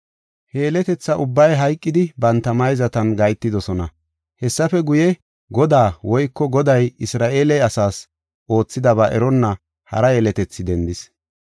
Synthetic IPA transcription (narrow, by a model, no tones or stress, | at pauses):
heːlɛt̪ɛt͡sːɐʔʊbːɐjɦɐjkʼːɪd̪ɪbɐnt̪ːɐmɐjzɐt̪ɐnɡɐjt̪ːɪd̪ɔsɔnɐ | hɛsːɐfɛɡʊjɛ | ɡɔd̪aːwɔjkːɔɡɔd̪ɐjɪsɾaːʔe̞ːlɛjɐsaːs | ʔo̞ːt͡sːɪd̪ɐbaːʔɛɾɔnːɐ | hɐ̰ɾɐje̞ːlɛt̪ɛt͡sːɪd̪ɛnd̪ɪs